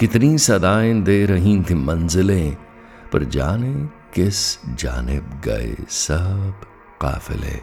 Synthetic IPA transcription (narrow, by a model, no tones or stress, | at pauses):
kɪt̪nĩsɐd̪aːẽd̪eːɾɐɦĩnt̪ʰĩmɐnzɪlẽ | pɐ̰ɾd͡ʒaːnẽ | kɪsd͡ʒa̰ːnɪbɡɐ̰ḛsɐb | qa̰ːfɪ̰lɦḛː